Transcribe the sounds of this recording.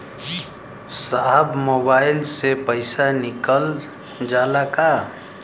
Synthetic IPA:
saɦəbmoːbaːɪlsepəɪsanɪkəl | d͡ʒaːlaka

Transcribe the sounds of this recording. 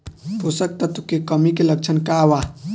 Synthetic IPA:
t̪osək̚t̪ət̪ukekəmikelək̚t͡ʃʰənkawa

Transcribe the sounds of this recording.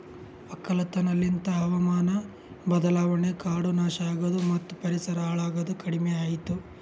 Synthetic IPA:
ɐkːɐlɐt̪ɐnɐlːint̪ɐɦɐʋɐmaːnɐ | bɐd̪ɐlaːʋɐɳekaːɽunaːʃaːɡɐd̪umɐt̪ːupɐɾisɐɾɐaːɭaːɡɐd̪ukɐɽimɛaːjit̪u

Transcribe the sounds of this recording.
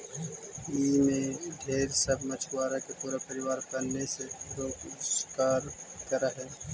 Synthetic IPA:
iːmẽɖʱeːɾsəbʱmət͡ʃʰwaːɾakepuːɾapəɾɪwaːɾkɐnːeseɾoːkskaːɾkɐɾaɦɛː

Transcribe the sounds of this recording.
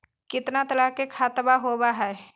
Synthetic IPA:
kɪt̪nat̪əlaːkekʰaːt̪əbaɦoːbaɦɛː

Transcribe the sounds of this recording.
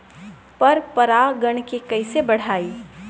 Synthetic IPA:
pɐɾpɐɾaɡəɽ̃kekɐɪsebɐɽ̤aːiː

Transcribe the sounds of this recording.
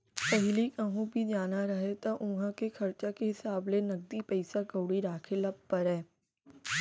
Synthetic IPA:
pɐɦɪlikəɦũbʱid͡ʒaːnaɾɐɦet̪aʔʊɦãkexʰɐɾt͡ʃakeɦɪsaːblenɐɡ̚d̪ipɛɪsakəːɽiɾaːkʰelɐbpɐɾɦɛː

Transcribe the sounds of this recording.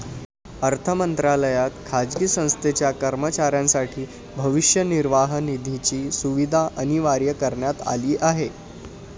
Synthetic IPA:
əɾt̪ʰəmənt̪ɾaləjat̪kʰad͡zɡiːsə̃w̃st̪ʰet͡ɕjakəɾmət͡ɕaɾjãnsaʈʰiː | bʱəʋiʂjəniɾʋaɦənid̪ʱit͡ɕiːsuʋid̪ʱaʔəñiʋaɾjəkəɾɳjat̪a̰liːʔaɦe

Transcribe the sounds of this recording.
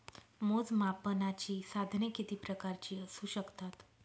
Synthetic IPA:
mod͡zmapənat͡ɕiːsad̪ʱnekit̪iːpɾəkaɾt͡ɕiːəsuɕəkt̪at̪

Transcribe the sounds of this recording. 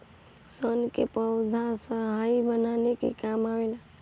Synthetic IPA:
sənkepəʊd̪ʱasəɦajbənanekḛkamawela

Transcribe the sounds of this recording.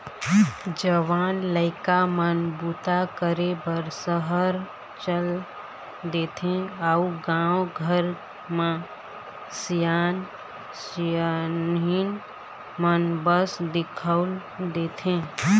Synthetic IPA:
d͡ʒəʋaːnləɪkamənbut̪akəɾebəɾsəɦəɾ | t͡ʃəl | d̪eːt̪ʰẽauɡãːwɡʱəɾ | mã | sijaːn | sjanɦin | mənbəsd̪ɪkʰəʊl | d̪eːt̪ʰẽ

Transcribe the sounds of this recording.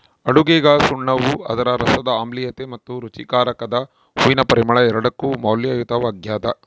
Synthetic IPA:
ɐɽuɡɛːɡasuɳːɐʋuɐ̰d̪ɐɾɐɾɐsɐd̪ɐaːmlijɐt̪emɐt̪ːuɾut͡ʃikaːɾɐkɐd̪ɐ | uʋinɐpɐɾimɐɭɐɛɾɐɽɐkːumaːljɐjut̪ɐʋaːɡjaːt̪ɐ̰

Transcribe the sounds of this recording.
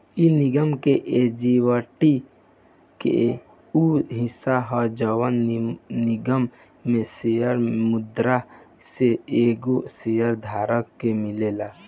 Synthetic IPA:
inɪɡəmkeʔed͡ʒiwəʈi | kḛ | uɦɪsaɦɔd͡ʒəwənnɪɡəmː | ẽsejəɾmʊd̪ɾaseeːɡosejəɾd̪ʱaːɾəkːemɪlela

